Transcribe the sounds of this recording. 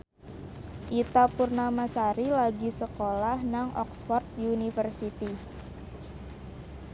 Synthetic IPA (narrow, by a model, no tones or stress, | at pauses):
ʔit̪apurnamasaɾilaɡisəkolahnaŋʔɔ̰ksfɔrt̪̚diunifərsit̪i